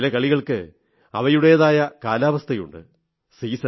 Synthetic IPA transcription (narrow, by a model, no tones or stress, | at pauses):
lɐkɐɭiɣɐɭkɨ | ɐ̰ʋɐjuɽe̞jɐðaːjɐkaːlaːʋɐst̪ʰɐjṵɳɖɨ̰ | siːsɐ